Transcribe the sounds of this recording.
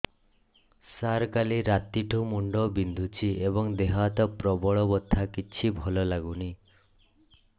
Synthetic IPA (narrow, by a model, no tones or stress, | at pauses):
saɾkaliɾat̪iʈʰumuɳɖɔbind̪ʱut͡ʃʰiebɔŋd̪eɦat̪ɔpɾɔbɔɭɔbɔt̪ʰːakit͡ʃʰibʱɔlɔlaɡuni